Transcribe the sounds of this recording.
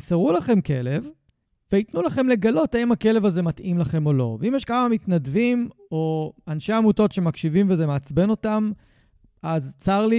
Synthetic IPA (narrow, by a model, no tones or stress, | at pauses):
saʁulaχe̞mke̞le̞v | veitnulaχe̞mle̞ɡalo̞taimake̞le̞vaze̞matʔimlaχe̞mo̞lo̞̰veimjeʃkamamitnadvim | o̞anʃeamuto̞tʃe̞makʃivimvezemeat͡sbe̞no̞tam | ʔazt͡saʁli